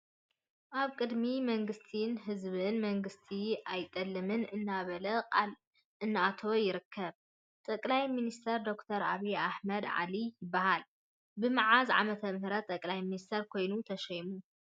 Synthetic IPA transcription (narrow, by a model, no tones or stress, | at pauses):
ʔaβkʼɨd̪mimɐŋɡɨst̪ʰinɦɨzβɨnmɐŋɡɨst̪ʰiajt̪ʼːɐlːɨmɨnɨnːaβɐlɐl | ɨnːɨʔat̪ʰojɪɾɨkʰːɐβ | t̪ʼɐkʼlajminist̪ʰɐɾd̪o̞kt̪ʰɐɾa̰βiaħmɐd̪ʕa̰lijɪbːahal | bɨmɨʕazʕa̰mɐt̪ʰɐmhɾɐt̪ʼɐkʼlajminist̪ʰɐɾkʰo̞jnut̪ʰɐʃɐjmu